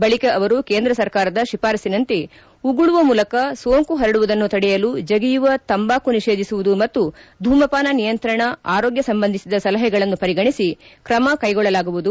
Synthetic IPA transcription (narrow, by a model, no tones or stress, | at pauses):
bɐɭikɐʔɐʋɐɾuke̞ːnd̪ɾɐsɐɾkaːɾɐd̪ɐʃipaːɾɐsinɐnt̪i | uɡuɭuʋɐmuːlɐkɐsoːŋkuɦɐɾɐɽuʋud̪ɐnːut̪ɐɽɛjɐlud͡ʒɐɡijuʋɐt̪ɐmbaːkuniʂeːd̪ʱisuʋud̪umɐt̪ːud̪ʱuːmɐpaːnɐnijɐnt̪ɾɐɳɐaːɾoːɡjɐsɐmbɐnd̪isid̪ɐsɐlɐɦɛɡɐɭɐnːupɐɾiɡɐɳisikɾɐmɐkɐjɡɔɭːɐlaːɡuʋud̪u